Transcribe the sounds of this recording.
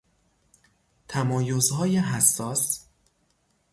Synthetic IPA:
t̪ʰæmɒːjozɦɒːjeɦæsːɒːs

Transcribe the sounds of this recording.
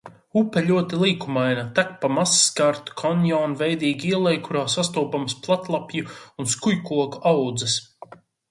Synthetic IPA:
upɛlʲuɔt̪ilˠiːkumajnat̪ak̚pamasːkaɾt̪u̥kʰɔnjɔːnvɛjd̪iːɡiɛlˠɛjkʰuɾaːsast̪uːpamsplˠat̪lˠapjuunskujkuɔkawd̪zɛs

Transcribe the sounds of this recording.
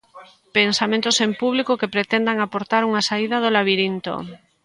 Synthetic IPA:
pensamẽnt̪osempuβlikokepɾet̪end̪aŋapoɾt̪aɾuŋasaið̞að̞olaβiɾint̪o̰

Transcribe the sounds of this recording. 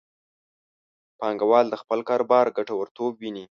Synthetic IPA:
pɑŋɡawɑld̪əxpəlkɑɾobɑɾɡaʈawəɾt̪obwini

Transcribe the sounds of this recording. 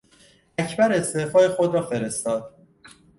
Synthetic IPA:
æcʰbæɾe̞st̪eːfɒːjexod̪ɾɒːfe̞ɾe̞st̪ɒːd̪̥̚

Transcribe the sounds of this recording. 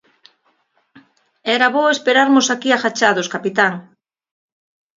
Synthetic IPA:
ɛɾaβoespeɾaɾmʊsakiaxat͡ʃaðoskapit̪aŋ

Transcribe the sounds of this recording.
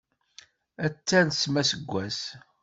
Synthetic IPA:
æt͡sːænsmæsəɡʷːæs

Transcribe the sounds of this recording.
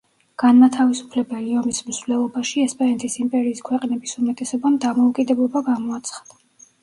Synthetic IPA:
ɡ̥anmat̪ʰavisu̥pʰlɛbɛliɔmismzvlɛlˠɔbaʃiɛspʼɛɾɛnt̪ʼisimpʼɛɾiːskʰwɛqʼnɛbisumɛt̪ʼɛsɔbamd̪amɔukʼid̪ɛblˠɔbaɡamɔat̪sʰχḁd̪̥a

